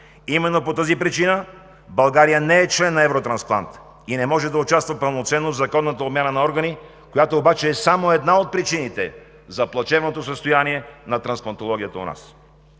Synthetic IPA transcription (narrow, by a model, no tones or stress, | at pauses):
imɛnːopot̪əzipɾit͡ʃinə | bɐlˠɡaɾijənɛɛt͡ʃlɛnːɐɛvɾot̪ɾɐnsplˠa̰nt̪ | inɛmɔʒɛd̪ɐʊt͡ʃast̪vɐpɐlˠnot̪sɛnːovzɐkɔnːət̪əobmʲjanənɐɔɾɡəni | kojat̪oːbat͡ʃɛːsamoɛd̪naot̪̚pɾit͡ʃinit̪ɛ | zɐplˠɐt͡ʃɛvnot̪osəst̪ojaniɛnɐt̪ɾɐnsplˠɐnt̪olˠɔɡ̟ʲijət̪əo̰na̰s